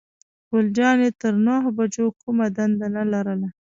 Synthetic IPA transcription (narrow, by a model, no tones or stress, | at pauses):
ɡ̥ʊld͡ʒɑnjet̪əɾnaɦbad͡ʒokumad̪and̪analaɾəla